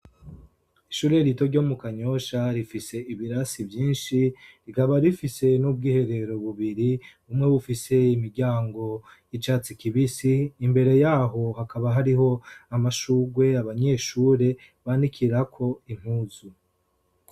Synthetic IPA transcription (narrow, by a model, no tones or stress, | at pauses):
iʃuːɾe̞ɾito̞ɾɟo̞mukaɲo̞ʃaɾifise̞iβiɾasibjiːnʃiɾikaβaɾifise̞nub̚ɡiːhe̞ɾe̞ɾo̞βuβiɾiβumŋe̞βufise̞imiɾɟaːŋɡo̞ | it͡ʃaːt͡sikiβisiːmbe̞ɾe̞jaːɦo̞hakaβaɦaɾiɦo̞amaʃuːɡwe̞aβaɲe̞ʃuːɾe̞ | βanikʰiɾakʰo̞in̥huːzu